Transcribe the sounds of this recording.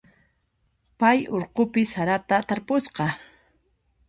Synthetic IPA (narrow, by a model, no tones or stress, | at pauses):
pajoɾqopɪsaɾat̪at̪aɾpʊsqɑ